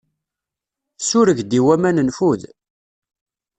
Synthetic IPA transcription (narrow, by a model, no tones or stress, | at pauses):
θsʊɾəʝd̪iwæmænənfuð